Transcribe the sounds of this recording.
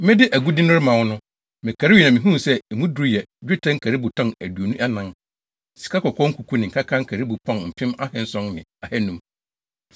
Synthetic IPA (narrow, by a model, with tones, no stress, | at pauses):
mɪ̃˦dɪ˦ʔæ˨ɡu˦dɪ̃˦nʊ̃˦ɾɪ˦mã˨wʊ˦nʊ̃˦ | mɪ̃˨kʰa˨ɾɪ˦wi˨nã˨mɪ̃˨ɦũ˦˨sɛ˦˨mũ˦du˨ɾu˦jɛ˨d͡ʑᶣɪ˦tʰã˦ŋ̩˦kʰæ˨ɾi˦bʊ˨tʰɔ̃˦næ˨du˨o˨nũ˦ʔɛ˦nã˦n | si̥˨kʰa˦kɔ˨kʰɔ̃˦ŋ̩˦kʰu˨kʰu˦nɪ̃˨ŋ̩˨ka˦kʰã˦ŋ̩˦kʰæ˨ɾi˦bu˨pʰɔ̃˦nm̩˨pʰɪ̃˦ma˦hɪ̃˨n˦sɔ̃˦nnɪ̰̃˨a˨hɛ˦nũ˦m